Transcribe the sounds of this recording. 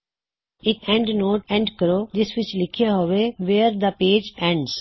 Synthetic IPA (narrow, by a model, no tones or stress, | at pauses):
ɪkɛ̃ɳɖnoːʈɛ̃ɳɖkəɾoːd͡ʒɪsʋɪt͡ʃlɪkʰijaɦoʋeʋeːɾd̪əpeːd͡ʒɛ̃ɳɖz̥